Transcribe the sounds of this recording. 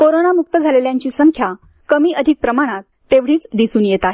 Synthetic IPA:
koɾonamuk̚t̪əd͡zʱaleljaɲt͡ɕiːsəŋkʰja | kəmiːʔəd̪ʱik̚pɾəmaɽ̃at̪̚ːeʋɽ̤iːt͡sd̪isuːnjet̪aɦe

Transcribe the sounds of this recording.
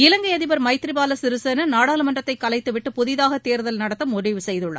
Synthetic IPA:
ɪlɐŋɡɐɪjɐðɪbɐɾmɐɪt̪ːɪɾɪbaːlɐsɪɾɯsenɐnaːɽaːlɯmɐndrɐt̪ːɐɪkːɐlɐɪt̪ːɯʋɪʈːɯpʊðɪðaːɣɐt̪ːeːɾɯðɐlnɐɽɐt̪ːɐmʊɾɪʋɯsɛjðɯɭːɐ̰

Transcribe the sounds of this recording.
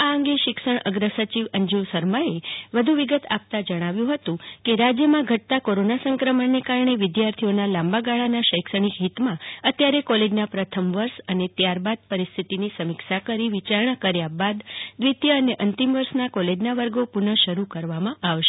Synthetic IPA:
aəŋɡeʃɪkʃəɳəɡɾəsət͡ʃiʋəɲd͡ʒuʋsəɾmaeʋəd̪ʱũʋiɡət̪a̰p̚t̪ad͡ʒəɽ̃aʋjũɦət̪ũkeɾad͡ʒjəmãɡʱəʈ̚t̪akoɾonasə̃ŋkɾəməɳnːekaɾɳeʋɪd̪jaɾt̪ʰijonalãmbaɡaɭanaʃəjkʃəɽ̃ikɦit̪mãət̪jaɾekɔled͡ʒnapɾət̪ʰəmʋəɾʃənet̪jaɾbad̪̚pəɾist̪ʰit̪inisəmikʃakəɾiʋit͡ʃaɾɳ̃akəɾjabad̪ːʋit̪jəəneʔənt̪imʋəɾʃnakɔled͡ʒnaʋəɾɡopuɾnəʃəɾukəɾʋamãʔaʋʃe̥

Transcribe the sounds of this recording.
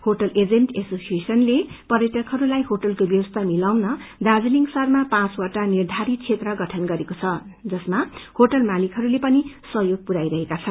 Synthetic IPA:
hoʈʌlʔed͡zenʈesosiesʌnlepʌɾeʈʌkɦʌɾulajɦoʈʌlkobjʌwʌst̪ʰamilawnʌd̪ad͡zliŋɡsʌrmapãt͡swaʈanird̪ʱaɾit̪̚t͡sʰet̪rʌɡʌʈʰʌnɡʌɾekot͡sʰʌd͡zʌsmahoʈʌlmalikʰɦʌɾulepʌnisʌjoɡ̚puɾajɾʌɦekat͡sʰʌn

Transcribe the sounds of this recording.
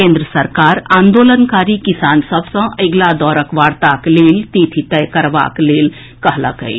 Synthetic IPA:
kẽnd̪ɾəsəɾkaɾaːnd̪oːlənkaɾikisaːnsəbʱsə̃ʔəɡlad̪ɔːɾəkʋaɾt̪aklelt̪it̪ʰit̪əjkəɾba̰kleːl | kəɦlə̰kə̰j

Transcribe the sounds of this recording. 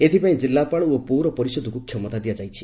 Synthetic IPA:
et̪ʰipaĩd͡ʒilːapaɭɔopuɾɔpɔɾisɔd̪ʱɔkukʰjɔmɔt̪ad̪iad͡ʒajt͡ʃʰi̥

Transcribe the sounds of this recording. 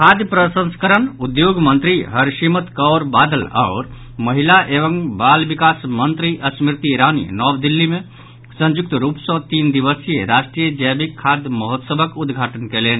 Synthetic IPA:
kʰad̪jpɾəsə̃nskəɾənud̪joɡmənt̪ɾiɦəɾʃimət̪kɔːɾbad̪əla̰ːɾ | məɦilaʔeʋəŋbalbikasmənt̪ɾiʔəsmɾt̪iɾanḭnɔːbd̪ilːimẽ | sə̃nd͡ʒuk̚t̪ɾupsɔ̃t̪ind̪iʋəsijeɾasʈɾijəd͡ʒəbikʰːad̪ʱjməɦot̪səbʱəkud̪ɡʱaʈənkeleːn

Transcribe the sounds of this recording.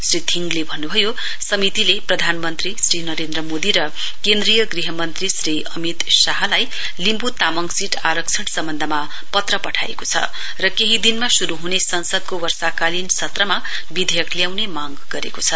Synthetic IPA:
srit̪ʰiŋɡlebʱʌnːubʱʌjo | sʌmit̪ileprʌd̪ʱanmʌnt̪risrinʌɾend̪rʌmod̪iɾʌ | kend̪rijʌɡriɦʌmʌnt̪risriʌmit̪saɦʌlaj | limbut̪amʌŋsiʈaɾʌk̚t͡sʰʌʈsʌmbʱʌnd̪ʱʌma | pʌt̪rʌpʌʈʰa̰ḛkot͡sʰʌ̰ | rʌkeɦid̪inmasuɾuɦunesʌnsʌd̪̚kowʌrsakalinsʌt̪rʌma | bid̪ʱejʌklijawnemaŋɡɡʌɾḛkot͡sʰʌ

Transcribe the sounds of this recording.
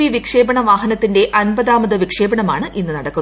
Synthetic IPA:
iʋikʂe̞ːbɐɳɐʋaːɦɐnɐt̪ːinde̞ʔɐnbɐðaːmɐðɐʋikʂe̞ːbɐɳɐmaːɳɨʔinːɨnɐɽɐkːun

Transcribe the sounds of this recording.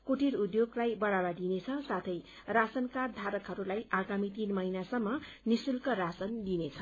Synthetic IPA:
koʈʰiɾud̪joɡlajbʌɽabad̪inet͡sʰʌsat̪ʰʌj | rasʌnkad̪ʱaɾʌkɦʌɾulajʔaɡamit̪inmʌinasʌmːʌ | nisulkʌrasʌnd̪inet͡sʰʌ

